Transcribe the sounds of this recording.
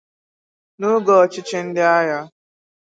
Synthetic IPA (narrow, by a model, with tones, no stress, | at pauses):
no˦ɡɔ˨t͡ʃɪ˦t͡ʃɪ˦n̩˦dɪ˦a˦ja˦